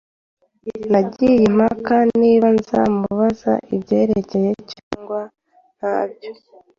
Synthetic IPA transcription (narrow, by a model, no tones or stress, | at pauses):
naɟijem̥hakaniβanza̰muβaza̰ʔibɟe̞ːɾe̞ce̞je̞caːŋɡwa | n̥haːb̚jo